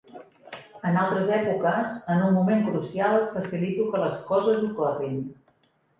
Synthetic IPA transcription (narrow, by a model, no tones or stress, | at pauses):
ənalˠt̪ɾəzɛpukəzənummumeŋkɾusialˠfəsilit̪ukələskɔzəzukɔrin